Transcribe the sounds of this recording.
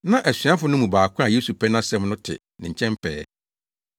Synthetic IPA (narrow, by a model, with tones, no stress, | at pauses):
nã˦ʔæ˨sɥã˦fʊ˨˦nʊ̃˦mũ˨baː˨kʰʷã˦a˨je˦su˨pʰɛ˦nã˦sɛ˦mnʊ̃˦tʰɪ̰˨ | nɪ̃˨ɲ̩˨t͡ɕʰɛ̃˦mpʰɛː˦